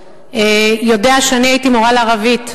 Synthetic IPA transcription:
ejo̞deaʃeaniajitimoʁalaːʁavit

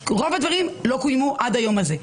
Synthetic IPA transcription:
ʁo̞vad̪vaʁimlo̞kujmuʔad̪ajo̞maze̞

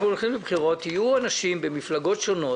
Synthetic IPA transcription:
olχimbebχiʁo̞t̪ijuanaʃimbemiflaɡo̞tʃo̞no̞

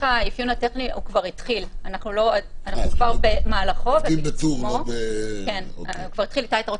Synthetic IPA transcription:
aifjunateχniukvaʁit̪χilanaχnuloananukvaʁbemaːlaχo̞veumokenukvaʁit̪χilit̪aitaʁo

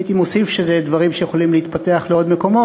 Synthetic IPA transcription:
it̪imosifʃezed̪vaʁimʃejeχo̞limleit̪pat̪e̞aχleo̞d̪me̞ko̞mo

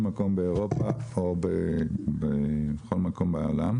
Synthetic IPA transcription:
mako̞mbeoʁo̞paobebeχo̞lmako̞mbao̰lam

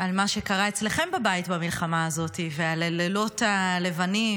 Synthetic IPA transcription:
almaʃe̞kaʁae̞t͡sle̞χe̞mbabajitbamilχamaːzo̞tivealelelotale̞vani

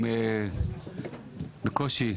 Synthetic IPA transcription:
me | bekoʃi

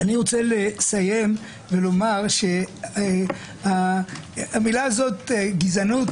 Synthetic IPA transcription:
aniʁo̞t͡selesaje̞m | ve̞lo̞maʁʃe̞ | a | amilaːzo̞t̪ɡizanut̪

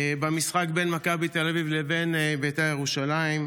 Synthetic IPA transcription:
bamisχak̚benmakabit̪elavivleve̞nbejt̪ajeʁuʃalaim

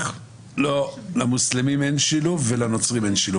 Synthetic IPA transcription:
lolamuslimimenʃilufvelano̞t͡sʁimenʃilu

